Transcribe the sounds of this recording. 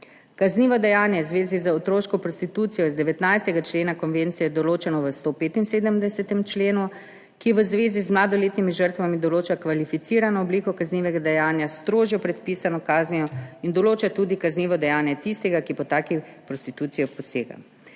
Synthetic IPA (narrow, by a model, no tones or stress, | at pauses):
kazniːʋɔd̪ɛjaːnjɛzʋeːzizaot̪ɾoːʃkɔpɾɔst̪it̪uːt̪sijɔizd̪ɛʋɛt̪najst̪ɛɡat͡ʃleːnakɔnʋeːnt̪sijɛd̪ɔloːt͡ʃɛnɔʋəst̪oːpeːt̪inseːd̪əmd̪ɛsɛt̪ɛmt͡ʃleːnu | kiɛʋəzʋeːzizmlaːd̪ɔleːt̪nimiʒəɾt̪ʋamid̪ɔloːt͡ʃakʋalifit̪siːɾanɔːblikɔkazniːʋɛɡad̪ɛjaːnjast̪ɾoːʒjɔpɾɛt̪̚piːsanɔkaːznijɔind̪ɔloːt͡ʃat̪uːd̪ikazniːʋɔd̪ɛjaːnjɛt̪ist̪ɛɡakipɔt̪aːkipɾɔst̪it̪uːt̪sijɔpɔsḛːɡa̰